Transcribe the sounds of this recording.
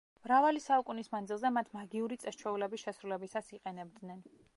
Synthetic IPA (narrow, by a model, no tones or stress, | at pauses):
mɾavalisaukʼunismand̪zilˠzɛmat̪ʰmaɡiuɾit̪sʼɛst͡ʃʰɛulɛbisʃɛsɾulɛbisasiqʼɛnɛb̚d̪nɛn